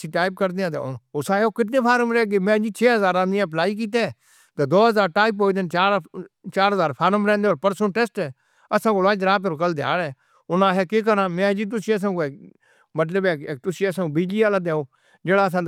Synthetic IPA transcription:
sĩːʈaːɪp̚kəɾd̪eːãːt̪ḛʊsãːeoːkɪʈnẽːpʰaːɾəmɾɛːɡeːmɛ̃ːd͡ʒiːt͡ʃʰeːɦəzaːɾãːiãːplaːiːk̬iːt̪̬eː | t̪eːd̪oːɦəzaːɾʈaːɪpɦoːiːd̪ent͡ʃaːɾt͡ʃaːɾɦəzaːɾpʰaːɾəmɾɛ̃ːnd̪eoːɾpəɾsənʈɛsʈɛː | əsãːkoːlãːd͡ʒɾaːp̬eːɾokəld̪ɪja̰ːɽɛː | ʊnãːɦɛːkeːk̬əɾãːmɛ̃ːd͡ʒiːt̪̬ʊsĩːəs̬ãːkoeːk̚ | mət̪̬ləbeːkeːk̚t̪ʊsĩːəsãːkoːbiːd͡ʒliːaːlaːd̪eːoː | d͡ʒeːɽaːəsãː

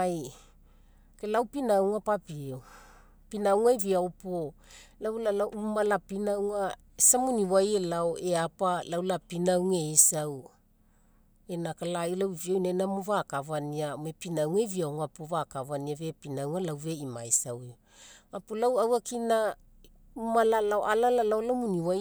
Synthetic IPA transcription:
aj | kelawpinawŋapapiew | pinawŋajviaopolawlalaʔumalapinawŋa | esamuniwajelaoeapalawlapinawŋeisaw | enakalajlawviawnajnamovakavaniamepinawŋajviawŋapovakavaniave̞pinawŋalawveima̰jsawe | apolawawakina | umalalaoʔalalalawlamuniwaj

